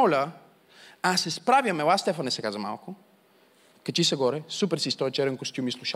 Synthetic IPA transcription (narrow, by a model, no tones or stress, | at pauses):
ɔlʲə | asɛspɾavʲjɐmɛlast̪ɛfɐnɛsɛkazɐma̰lˠkʊ | kɐt͡ʃisɛɡɔɾɛsupɛɾsist̪ɔɛt͡ʃɛɾɛnkost̪ʲjumislˠuʃa